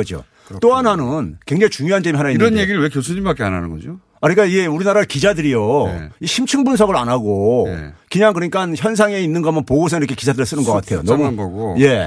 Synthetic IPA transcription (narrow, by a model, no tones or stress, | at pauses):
ʌd͡ʑio̰ | t͈oanɦanɯnkwe̞ŋd͡ʑait͡ɕuŋjoɦant͡ɕemiɦanaiiɾʌnjeɡiɾɯɭwe̞kjosʰuɲimbak͈ea̰na̰nɯnɡʌ̰d͡ʑo | aik͈aiɡe̞uɾinaɾaɭkid͡ʑadɯɾijo̰iɕʰimt͡ɕʰɯŋbunsʰʌɡɯɾanɦaɡo̰ | kɯɲaŋkɯɾʌɲik͈ançjʌns̬ʰaŋe̞inːɯnɡʌamʌnpoɡos̬ʰʌŋiɾʌkʰe̞kid͡ʑʰadɯɾɯɭs͈ɯnɯnɡʌk͈atʰejo̰nʌmnɡʌɡoje̞